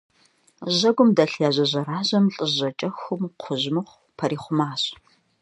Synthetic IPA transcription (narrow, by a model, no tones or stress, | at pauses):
ʑɐɡʷʊmdɐɬjaːʑɐʑɐɾaːʑɐmɬʼɨʑɐt͡ʃʼɐxʊmqʷʰʊʑmɨχʷ | pʰɐɾiːχʷʊmaːɕ